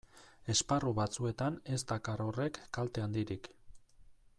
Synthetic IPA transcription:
e̞sparuβat͡sue̞t̪ane̞zt̪akaro̞re̞kːalt̪e̞and̪iɾik

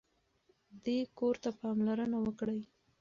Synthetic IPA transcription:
d̪ekoɾt̪apɑmlaɾənawəkɽəj

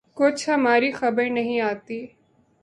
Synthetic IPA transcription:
kʊt͡ʃʰɦɐmaːɾiːxɐbəɾnɐɦĩːaːt̪iː

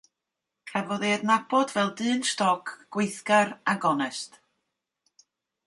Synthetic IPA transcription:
kʰɛvɔðeːdnab̥ɔdvɛlˠdɨːnstɔkʰɡ̥wɪjθɡaɾaɡɔnɛst

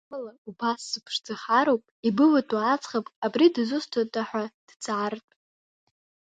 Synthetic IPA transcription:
laubaszɨpʰʂd͡zaχaɾowpʼibɨwatʰʼwaːt͡sʰʼχapʼabridzʊstʰatʼaħʷᶣad̥d͡zʰʼaʕartʼ

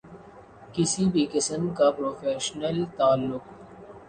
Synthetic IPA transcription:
kɪsibʱikɐsəmkapɾoːfeːʃnəlt̪aːlːʊq

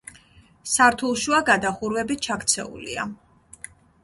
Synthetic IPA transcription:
saɾt̪ʰulˠʃuaɡad̪aχuɾwɛbit͡ʃʰakt̪sʰɛ̰ṵlḭa̰

